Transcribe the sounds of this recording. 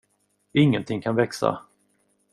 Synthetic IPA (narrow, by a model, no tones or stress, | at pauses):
ɪŋːənt̪ʰɪŋːkʰanvɛksa̰